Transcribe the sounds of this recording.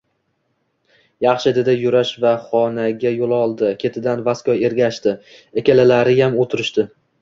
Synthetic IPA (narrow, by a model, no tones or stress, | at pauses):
jɑχʃɪd̪ɪd̪ajʊɾaʃvaχɒnaɡʲajolˠɒlˠd̪ɪkʲʰe̞t̪ʰɪd̪anvaskɒe̞ɾɡʲaʃt̪ɪ | ekʲalɪlaɾɪjamot̪ʰɪɾɪʃt̪ɪ